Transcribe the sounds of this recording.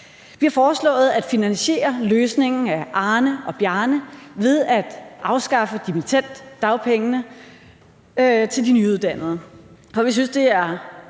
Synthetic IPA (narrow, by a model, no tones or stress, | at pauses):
ʋihɑ̈fɒːslɔ̰̽ːð̩ˠæd̥finænɕe̝̰ːɐløːsne̝ŋn̩æʔɑ̈ːnəɒ̽b̥jæɐnəʋe̝ð̞ˠæd̥ʔɑ̈ʊsɡ̥ɑ̈fəd̥imit͡sʰen̰d̥ːɑ̈ʊpʰeŋənə | t͡sʰe̝ld̥inyuð̞ˠd̥æn̰ð̞̩ˠɐ | fɒ̽ʋis̬ynsd̥e̝æɐ